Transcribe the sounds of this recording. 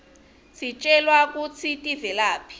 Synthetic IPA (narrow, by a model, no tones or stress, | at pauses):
sit͡ʃʼɛlwak̬ʼut͡sʰitʼivɛlaːpʰi̥